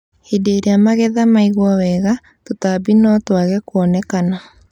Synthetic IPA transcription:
hedeɾeamaɣɛðamaiɣwɔwɛɣa | totabinɔtwaɣɛkwɔnɛkana

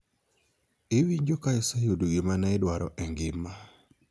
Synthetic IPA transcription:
ewiɲd͡ʒokajɔsajodoɡɪmanaedwaɾɔ̰ʔɛŋɡɪma

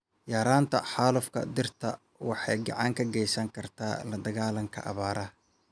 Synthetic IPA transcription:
jaːɾaːnt̪ʰɐ̰ħaːlʊfkʰɐ̰d̪ɪrt̪ʰɐ | wɑħɑjɡɑ̰ʕɑŋkʰɐɡɛjsɐŋkʰɐrt̪ʰaːlɐd̪ɐɣaːlɐŋkʰɐ̰ʔɑ̰βaːɾʔɐ

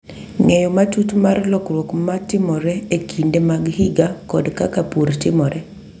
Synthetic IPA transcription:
ŋɛjɔmatutmarlɔkɾwokmatɪmɔɾɛekʰindemaɡhiɡakɔdkakapuɾtɪmɔɾɛ

